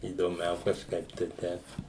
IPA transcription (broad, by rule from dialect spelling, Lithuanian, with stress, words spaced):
iːdoːˈmʲɛʊ kɐʃˈkɐɪp tɐɪ ˈtʲɛɪp